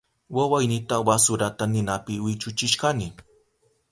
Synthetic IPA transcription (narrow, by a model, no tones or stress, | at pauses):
wawajnɪt̪awasʊɾat̪anɪnapɪwɪt͡ʃʊt͡ʃɪʃkanɪ